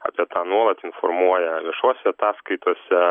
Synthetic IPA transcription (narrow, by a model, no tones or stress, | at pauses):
ɑ̰ːpʲiɛt̪ɑːnuɔlˠɐt̪ɪnfɔɾmuɔjɛʋʲiɛʃuɔsʲɛɐt̪ɑːskɐɪt̪uɔsʲɛ